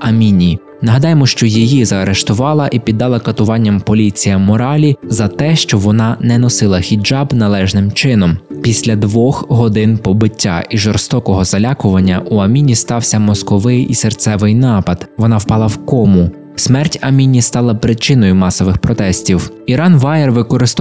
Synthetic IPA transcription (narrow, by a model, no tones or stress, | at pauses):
ɐmʲinʲi | nɐɦɐd̪ɑjemɔʃt͡ʃɔjijizɐɐɾeʃt̪ʊʋɑlˠɐʔipʲid̪ːɑlˠɐkɐt̪ʊʋɑnʲːɐmpɔlʲit͡sʲijɐmɔɾɑlʲizɐt̪ɛʃt͡ʃɔʋɔnɑnɛnɔsɪlˠɐxʲid͡ʒɑbnɐlˠɛʒnɪmt͡ʃɪnɔmpʲisʲlʲɐd̪ʋɔxɦɔd̪ɪnpɔbɪtʲːa̰ʔiʒɔrst̪ɔkɔɦɔzɐlʲɑkʊʋɐnʲːɐʔuɐmʲinʲist̪ɑwsʲɐmɔskɔʋɪjʔisert̪sɛʋɪjnɑpɐd̪̥ʋɔnɑwpɑlˠɐwkɔmʊ | smɛrtʲɐmʲinʲist̪ɑlˠɐpɾɪt͡ʃɪnɔjʊmɑsɔʋɪxpɾɔt̪ɛsʲtʲiw | iɾɑnʋɑjerʋɪkɔɾɪst̪